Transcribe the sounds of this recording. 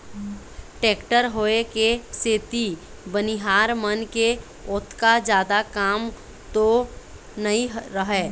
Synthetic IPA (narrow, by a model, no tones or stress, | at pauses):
ʈeːkʈəɾɦoːekeseːt̪i | bəniɦaːɾmənke | ʊt̪ʰkad͡ʒjaːd̪akaːm | t̪o | nɐĩɾəɦɛː